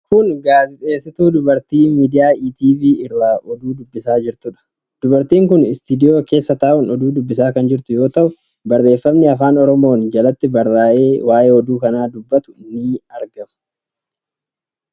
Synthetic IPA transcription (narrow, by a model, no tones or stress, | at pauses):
kʊnɡaːzɪt̪ʼe̞ːsːɪt̪uːd̪ʊbɐɾt̪iːmiːd̪ɪjaːiːt̪iːviːɪrːaːʔɔd̪uːd̪ʊbːɪsaːd͡ʒɪɾt̪ʊᶑɐ̥ | d̪̥ʊbɐɾt̪iːŋkʊnɪst̪ɪd̪ɪjo̞ːke̞ːsːɐt̪aːʔʊnɔd̪uːd̪ʊbːɪsaːkɐnd͡ʒɪɾt̪ʊjo̞ːt̪ɐʔʊ | bɐrːe̞ːfːɐmnɪɐfaːnɔɾɔmo̞ːnd͡ʒɐlɐt̪ːɪbɐrːaːʔe̞ːwaːje̞ːɔd̪uːkɐnaːd̪ʊbːɐt̪ʊ̥ɪnːiɐɾɡɐmʊ̥